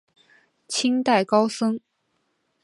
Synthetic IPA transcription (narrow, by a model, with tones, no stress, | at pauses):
t͡ɕʰi˥ŋt̪a˥˩ɪkɑ˥ʊsɤ˥ŋ